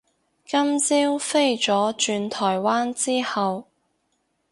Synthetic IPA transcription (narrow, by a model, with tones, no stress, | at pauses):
kɐ˥mt͡siː˥wfe˥jt͡ʃt͡sɔː˨˥t͡ʃyː˧nt̪ʰɔː˨˩jwaː˥nt͡siː˥hɐ˨w